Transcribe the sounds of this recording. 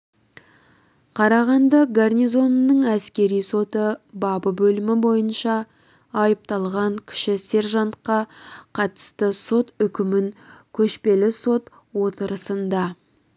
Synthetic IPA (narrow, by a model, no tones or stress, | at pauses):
qʰɑɾɑʁɑnd̪ɑɡarnijzo̞nːəɴæskʲe̞ɾijso̞t̪əbɑbəbɵlɪmɪbo̞jənʃɑ | ɑjəp̚t̪ɑlˠʁɑŋkʲʰɪ̥ʃɪse̞rʒɑnt̪qɑqʰɑt̪ə̥st̪əso̞t̪ʏkʲɪmɪŋkʲʰɵʃpe̞lɪso̞t̪ | wo̞t̪əɾəsənd̪ɑ